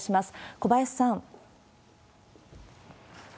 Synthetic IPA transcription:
ɕimasɨ̥ko̞baesːãŋ

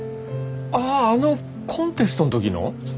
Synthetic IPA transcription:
aːno̞ | kʰõ̞nt̪e̞sɨ̥t̪o̞not̪o̞kʲino̰

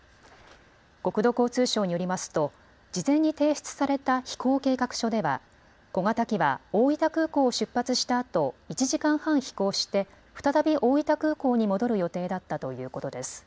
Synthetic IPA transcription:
ko̞kɯ̟d̪o̞ko̞ːt͡sɨːɕo̞ːɲ̟ijo̞ɾʲimasɨ̥t̪o̞ | d͡ʑizẽ̞ɲ̟ːit̪e̞ːɕi̥t͡sɨ̥saɾe̞t̪açi̥kʰo̞ːke̞ːkakɯ̟̥ɕo̞d̪e̞βa̰ | ɡ̥o̞ŋat̪akʲiβa̰o̞ːit̪akɯ̟ːko̞ːɕɨpːat͡sɨɕi̥t̪aːt̪o̞it͡ɕiʑikãɰ̃hãɰ̃çi̥ko̞ːɕi̥t̪e̞ | ɸɯ̟̥t̪at̪abʲiʔo̞ːit̪akɯ̟ːko̞ːɲ̟imo̞d̪o̞ɾɯ̟jo̞t̪e̞ːd̪at̪ːat̪o̞jɯ̟ːko̞t̪o̞d̪e̞sɨ̥

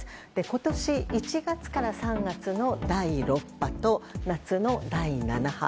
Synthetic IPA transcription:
d̪̥e̞ko̞t̪o̞ɕiit͡ɕiɡat͡sɨ̥kaɾasãŋɡat͡sɨno̞d̪aiɾo̞pːat̪o̞nat͡sɨno̞d̪ainanaha̰

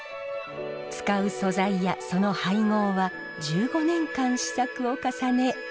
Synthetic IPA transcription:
t͡sɨ̥kaɯ̟so̞zaijaso̞no̞haiŋo̞ːβa | d͡ʑɨːɡo̞nẽ̞ŋkãɰ̃ɕi̥sakɯ̟okasane̞

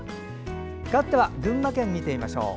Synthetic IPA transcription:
kat̪ːe̞βaɡɯ̟̃mːakẽmːʲit̪e̞imaɕo̞̰ː

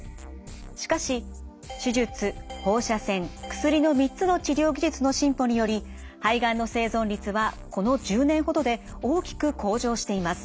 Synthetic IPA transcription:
ɕi̥kaɕi | ɕiʑɨt͡sɨho̞ːɕasẽ̞ŋkɯ̟̥sɨɾʲino̞mʲitt͡sɨno̞t͡ɕiɾʲo̞ːɡʲiʑɨt͡sɨno̞ɕĩmpo̞ɲ̟ijo̞ɾʲi | haiɡãinːo̞se̞ːzõ̞nɾʲit͡sɨβako̞no̞ʑɨːnẽ̞ɰ̃ɦo̞d̪o̞d̪e̞ | oːkʲi̥kɯ̟kʰo̞ːʑo̞ːɕi̥t̪e̞imasɨ̥

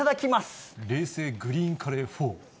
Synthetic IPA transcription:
ad̪akʲimasɨ̥ɾe̞ːse̞ːɡɯ̟ɾʲĩːŋkʰaɾeɸoː

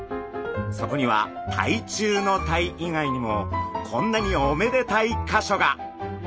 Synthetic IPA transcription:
so̞ko̞ɲ̟iβa̰t̪ʰa̰it͡ɕɨːno̞t̪aiiŋaiɲ̟imo̞kʰõ̞nːaɲ̟io̞me̞d̪e̞t̪aikaɕo̞ɡa

